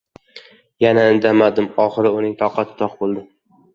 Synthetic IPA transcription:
janaɪnd̪amad̪ɪmɒχɨɾɪʊnɪŋt̪ʰɒqʰɑt̪ʰt̪ʰɒqbolˠd̪ɪm

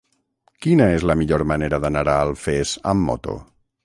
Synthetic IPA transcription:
kinaezləmiʎoɾmaneɾəðənaɾaːlˠfezə̰mːɔ̰t̪o̰

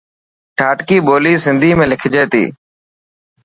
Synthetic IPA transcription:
ʈʰaːʈkiːɓoːliːsɪ̃nd̪ʱiːmẽːlɪkʰd͡ʒeːt̪ḭː

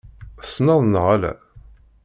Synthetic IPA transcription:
snɑðˤnʁalæ̰

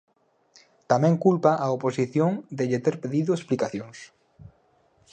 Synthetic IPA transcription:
t̪amɛ̃ŋkulpaʔaoposiθjõŋd̪eʎet̪eɾpeðiðʊesplikaθjõŋs

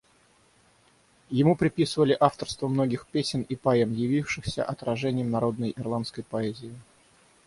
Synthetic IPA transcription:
jɪmupɾʲɪpʲisɨvəlʲɪʔaft̪ərst̪vəmno̞ɡʲɪxpʲesʲɪnipɐɛmjɪvʲifʂɨxsʲə̰ʔɐt̪ɾɐʐɛnʲɪjəmnɐɾo̞d̪nəjɪrlˠanskəjpɐɛzʲɪɪ

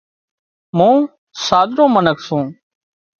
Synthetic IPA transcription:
mũː | saːd̪ʱɾõːmənəkʰsõː

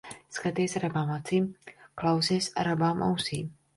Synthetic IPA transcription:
skat̪iːsɾabaːmat̪siːmklˠawsisɾabaːmʔa̰wsiːm

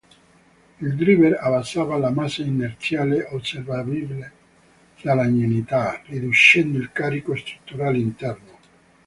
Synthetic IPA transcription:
ild̪ɾiveɾavansːaːvalamasainːert̪sjaːleoservabibile | salaɲːenit̪arid̪uʃɛnd̪ilkaɾikost̪ɾut̪ːuɾaːleint̪ɛrno

